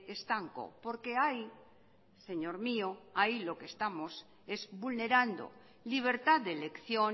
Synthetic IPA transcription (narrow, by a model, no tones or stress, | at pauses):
est̪aŋko̞̰po̞ɾke̞aj | se̞ɲo̞ɾmio̞ajlo̞kest̪amo̞s | e̞zbulne̞ɾand̪o̞̰ | liβ̞e̞ɾt̪aðd̪ele̞kθjo̞